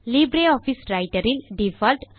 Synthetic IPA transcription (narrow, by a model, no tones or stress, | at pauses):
libɾeɔpʰisɾajʈəɾilɖifʰalʈ